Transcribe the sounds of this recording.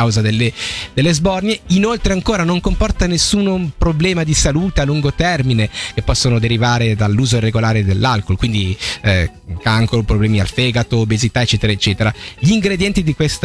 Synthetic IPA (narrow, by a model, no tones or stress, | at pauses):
awzad̪elːed̪̥elːezbɔrnjeinolt̪ɾeaŋkoːɾanoŋkompɔrt̪anesːuːnpɾoblɛːmad̪isaluːt̪ealːuŋɡot̪ɛrminekepːɔsːonod̪eɾivaːɾed̪alːuːzoirːeɡolaːɾed̪elːalkolkwind̪i | kaŋkoɾopɾoblɛːmia̰lfɛːɡat̪oːbezit̪aet͡ʃːɛːt̪eɾaet͡ʃːɛːt̪eɾaʎiːŋɡɾed̪jɛnt̪id̪ikwest̪